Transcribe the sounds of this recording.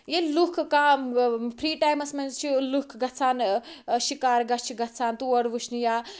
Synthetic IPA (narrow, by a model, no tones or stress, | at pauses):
jelukʰkaːmpʰɾiːʈaːjmɐsmɐnzt͡ʃʰilukʰɡɐt͡sʰaːnʃikaːɾɡɐt͡ʃʰiɡɐt͡sʰaːnt̪uɐɽʋuʃnijaː